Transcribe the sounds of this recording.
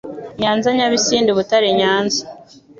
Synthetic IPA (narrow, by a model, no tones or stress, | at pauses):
ɲaːnzaɲaβisiːnduβutaɾiɲaːnza